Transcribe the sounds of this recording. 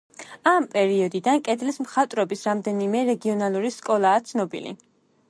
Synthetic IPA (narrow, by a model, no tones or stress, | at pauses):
ampʼɛɾiɔd̪id̪ankʼɛd̪lismχat̪ʼɾɔbisɾamd̪ɛnimɛɾɛɡiɔnalˠuɾiskʼɔlˠaːt̪sʰnɔbḭlḭ